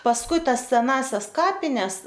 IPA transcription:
pɐsˈkʊɪ ˈtɐs sʲɛˈnɑːsʲɛs ˈkɑːpʲɪnʲɛs

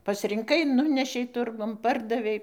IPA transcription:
pɐsʲrʲɪŋˈkɐɪ ˈnʊnʲɛʃʲɛɪ ˈtʊrɡʊn ˈpɐrdɐʋʲɛɪ

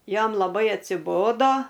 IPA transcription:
ˈjɛm lˠɐˈbɐɪ ɐtʲsʲɪˈboːdoː

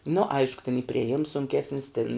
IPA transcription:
nʊ ˈɐɪʃkʊ tʲɪn iː pʲrʲiɛˈjɪms sʊŋʲˈkʲæːsʲnʲɪs tʲɪn

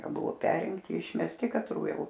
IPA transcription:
ˈbʊʋoː ˈpʲæːrʲɪŋktʲɪ ɪʃʲmʲɛsʲˈtʲɪ kɐtˈruː ˈjɛʊ

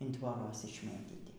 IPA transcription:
ɪn tʋoːˈrɐs ɪʃʲˈmʲeːtʲiːtʲɪ

